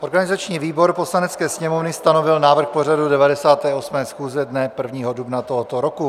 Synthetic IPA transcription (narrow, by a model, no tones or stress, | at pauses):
ʔo̞ɾɡanɪzat͡ʃɲiːviːbo̞ɾpo̞slanɛt͡skɛːsɲɛmovnɪst̪ano̞vɪlnaːvr̩xpo̞r̝adudɛvadɛsaːt̪ɛːʔo̞smɛːsxuːzɛdnɛpr̩vɲiːɦodubnat̪oɦot̪oɾoku